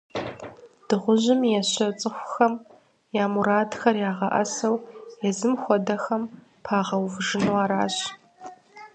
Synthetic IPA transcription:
d̥ɨʁʷʊʑɪmjɛɕɐt͡sʼɨxʷxɐm | jaːmuɾaːdxɐrjaːʁɐ̰ʔɐ̰sɐwjɛzɨmxʷɔdɐxɐm | pʰaːʁɐwvʐɨnuwaːɾaːɕ

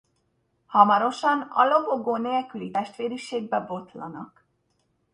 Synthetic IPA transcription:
hɒmɒɾo̞ʃɒnɒ̰lo̞boɡoːnelkylit̪ɛʃt̪ʋeːɾiʃeːɡ̚bɛbo̞t̪lɒnɒk

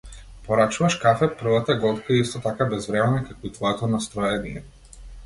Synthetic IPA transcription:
pɔɾat͡ʃuvaʃkafɛpr̩vat̪aɛɡɔt̪kaiist̪ɔt̪akabɛzvɾɛmɛnakakɔit̪vɔɛt̪ɔnast̪ɾɔjɛniɛ̰

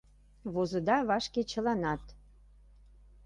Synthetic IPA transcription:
βozə̆d̪ɑβɑʃket͡ɕə̆lɑnɑt̪

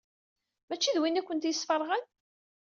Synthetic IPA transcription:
mæt͡ʃːiðwinækʷːənt̪jəsːfərˤʁən

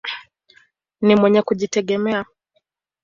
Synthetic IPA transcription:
nimwɛɲɛkuʄitɛɠɛmɛa

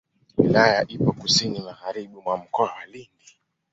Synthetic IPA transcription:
wilajaʔipɔkusinimaɣaɾiɓumwam̩kɔawalindi

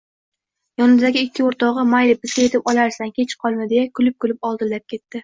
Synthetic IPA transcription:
jɒnɪmzaɡʲɪɪkʲːɪoɾt̪ʰɒʁɨmajlɪbɪzɡʲaje̞t̪ʰɪpɒlˠaɾsaŋkʲʰe̞t͡ʃqʰɒlˠmɪd̪ejakʰʊlɪp̚kʰʊlɪpɒlˠd̪ɪllap̚kʲʰe̞t̪ːɪ

